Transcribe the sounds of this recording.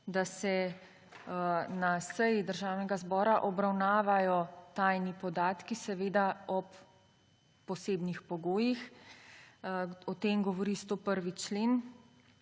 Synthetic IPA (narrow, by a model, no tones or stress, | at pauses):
d̪asɛ | nasəjid̪əɾʒaːwnɛɡazbɔːɾaʔɔbɾawnaːʋajɔt̪ajnipɔd̪aːt̪kisɛʋeːd̪aɔpː | ɔseːbnixpɔɡoːjix | ɔt̪emɡɔʋɔɾist̪oːpəɾʋit͡ʃleːn